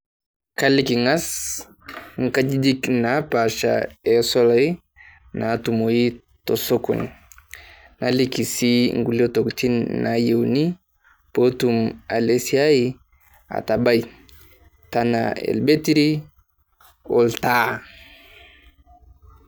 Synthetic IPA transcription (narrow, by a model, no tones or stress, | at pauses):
kalikiŋas | ŋkad͡ʒidiknapaʃa̰ɛsɔlai | nʔatumoji | tɔsoko̰ni | nalikisiŋɡulotoktinnajewni | potumalesiaji | a̰tabaj | tana̰ɛ̰lbetiɾi | ɔlta